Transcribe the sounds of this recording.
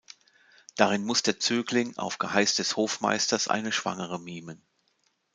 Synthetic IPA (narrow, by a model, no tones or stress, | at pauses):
d̥aʁɪnmʊsd̥eːɐt͡syːklɪŋa̰ʊfɡ̥əhaɪsd̥ɛshoːfma̰ɪstɐsʔa̰ɪnəʃv̥a̰ŋəʁəmiːmən